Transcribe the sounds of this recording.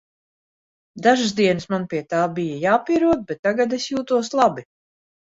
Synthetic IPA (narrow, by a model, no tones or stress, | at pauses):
d̪aʒɨsd̪iɛnɨsmanpiɛt̪aːbijajaːpiɾuɔd̪̚bɛt̪ːaɡad̪esjuːt̪uɔslˠabi